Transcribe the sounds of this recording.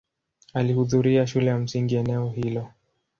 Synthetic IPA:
alihuðuɾiaʃulɛjam̩siŋɡiɛnɛɔhilɔ

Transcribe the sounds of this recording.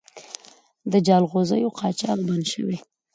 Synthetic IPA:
d̪əd͡ʒɑlɣozəjoqʰɑt͡ʃɑkbanʃə̰wi

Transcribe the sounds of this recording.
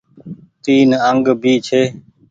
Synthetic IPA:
t̪iːnəŋɡbʱiːt͡ʃʰeː

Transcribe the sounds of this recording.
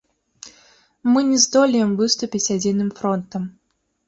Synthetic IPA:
mɨnʲɛzd̪ɔlʲɪjɛmvɨst̪ʊpʲit͡sʲad͡zʲinɨmfɾɔnt̪ɐm

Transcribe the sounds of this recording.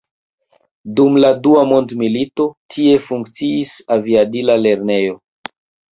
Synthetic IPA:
dumladuamo̞ndmilito̞tʰie̞fuŋk̚t͡siːsaviabilale̞ɾne̞jo̞

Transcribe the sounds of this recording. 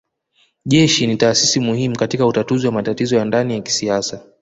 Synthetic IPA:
ʄɛʃinitaːsisimuhimukatikautatuziwamatatizɔjandanijaki̥siasa

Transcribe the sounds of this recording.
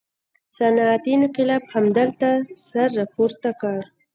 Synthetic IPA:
sanat̪inqɪlɑbhamd̪əlt̪asaɾːɑpoɾt̪akɑɽ

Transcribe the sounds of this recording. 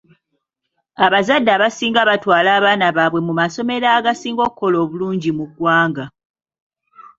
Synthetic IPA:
aβazadːaːβasiːŋɡaβatwaːlaːβaːnaβaβwe̞mumaso̞me̞ɾaːɡasiːŋɡo̞ːkkːo̞loːβuluːɲɟimuɡwaːŋɡa

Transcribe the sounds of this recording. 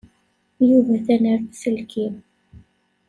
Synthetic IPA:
juvæθænəɾθsəlkim

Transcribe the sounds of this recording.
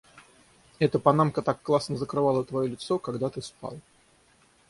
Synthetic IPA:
ɛt̪əpɐnamkət̪akːlˠasnəzəkɾɨvalˠət̪vɐjolʲɪt̪sokaɡd̪at̪ɨspa̰lˠ

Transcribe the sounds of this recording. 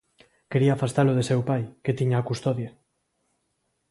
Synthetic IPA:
keɾiaːfast̪aloð̞esewpajket̪iɲaːkust̪oðje

